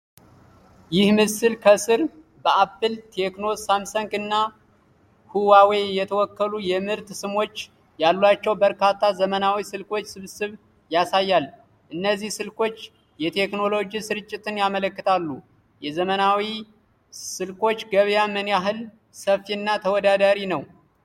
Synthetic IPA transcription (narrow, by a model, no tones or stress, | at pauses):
jɪhmɨsɨlkʰəsɨɾ | bəapːɨlt̪ʰe̞kno̞samsəŋkʼɨnːa | huwawejɛt̪ʰəwɔkːəlujɛmɨɾt̪sɨmo̞t͡ʃː | jalːwat͡ʃːɛwbəɾkat̪ʰːazəmənawisɨlko̞t͡ʃːsɨβsɨβ | jasajːal | ʔɨnːəzːihsɨlko̞t͡ʃː | jɛt̪ʰe̞kno̞lo̞d͡ʒisɨɾɨt͡ʃʼːɪt̪ɨnjamələkːɨt̪ʰalːu | jɛzəmənawi | sɨlko̞t͡ʃːɡəβjamɨnjaɦɨl | səfiɨnːat̪ʰəwɔd̪ad̪aɾinəw